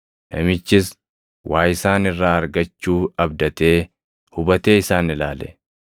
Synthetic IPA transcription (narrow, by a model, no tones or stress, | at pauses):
nɐmɪt͡ʃːɪs | wʔaːjɪsaːnɪrːaːɐɾɡɐt͡ʃːuːɐb̚d̪ɐt̪e̞ː | hʊbɐt̪e̞ːɪsaːnɪlaːlɛ̥̰